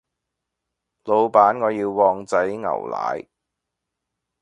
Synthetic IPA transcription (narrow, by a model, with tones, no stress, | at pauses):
lo˨˧wpaː˨˥nŋɔː˨˧jiː˧wːɔː˧ŋt͡sɐ˨˥jŋɐ̰˨˩wla̰ː˨˥j